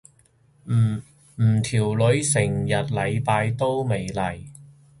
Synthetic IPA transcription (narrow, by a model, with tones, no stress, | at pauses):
m̩˨˩t̪ʰiː˨˩wlɵ˨˧˥ɥsɪ˨˩ŋjɐ˨t̚lɐ˨˧jpaː˧jt̪o˥wme˨jlɐ˨˩j